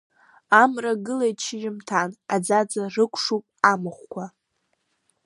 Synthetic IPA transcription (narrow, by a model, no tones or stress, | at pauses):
amraɡɨlajt͡ʃʰɪʒɪmtʰanad͡zad͡zarɨkʷʰʂupʼamɨχʷkʷʰa